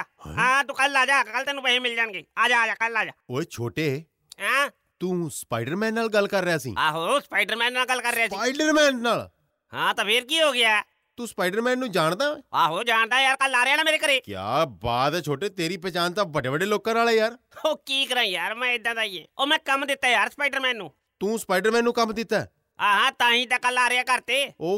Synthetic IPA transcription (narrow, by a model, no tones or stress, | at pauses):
ãːt̪ũːkəlaːd͡ʒaːkkəlt̪eːnũːpəɦẽːmɪld͡ʒaːnɡeːaːd͡ʒaːd͡ʒaːkəlaːd͡ʒaːoːeːt͡ʃʰoːʈeː | ɦãː | t̪ũːspaːɪɖəɾmɛ̃ːnːaːlɡəlːkəɾːɪjaːsḭːaːɦoːspaːɪɖəɾmɛ̃ːnːaːlɡəlkəɾːɪaːsiːaːɪɖəɾmɛ̃ːnnaːl | hãːt̪ãːpʰeɾkiːɦoːɡɪjaː | t̪ũːspaːɪɖəɾmɛ̃ːnːũːd͡ʒaːɽ̃d̪aːɛ̃ːaːɦoːd͡ʒaːɳd̪aːjaːɾkəlːaːɾeaːnãːmeːɾeːkəɾeːkja̰ːbaːd̪ɛːt͡ʃʰoːʈeːt̪eːɾiːpɛːt͡ʃaːnt̪ãːbəɖeːbəɖeːloːkãːnaːlɛːjaːɾ | oːkiːkəɾãːijaːɾmɛ̃ːɪd̪ãːd̪aːiːɛ̃ːoːmɛ̃ːkəmd̪ɪt̪ːaːjaːɾspaːɪɖəɾmɛ̃ːnːũː | t̪ũːspaːɖəɾmɛ̃ːnːũːkəmd̪ɪt̪ːaː | aːɦãːt̪ãːɦĩːd̪aːkəlːaːɾeaːkəɾt̪eːoː